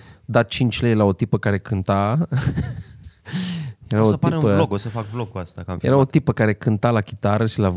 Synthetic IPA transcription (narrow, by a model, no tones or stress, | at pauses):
d̪at̪̚t͡ʃint͡ʃʲlejlaot̪ipəkaɾe̞kɨnt̪a | jeɾaaosətpiɾeũpəokosəfak̚blokuast̪akamjjeɾao̞t̪ipəkaɾe̞kɨnt̪alakʲi̥t̪aɾəʃilav